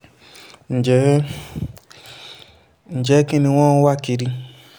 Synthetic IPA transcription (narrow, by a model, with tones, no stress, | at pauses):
n̩˨d͡ʒɛ˨˦ | n̩˨d͡ʒɛ˨˦ki˦nĩ˧w̃ɔ̃˦wa˦ki˧ɾi˧